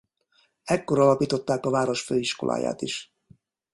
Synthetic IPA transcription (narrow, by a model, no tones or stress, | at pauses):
ɛkːo̞ɾɒlɒpiːt̪o̞t̪ːaːkɒvaːɾo̞ʃføːiʃko̞̰lʔa̰ːja̰ːt̪iʃ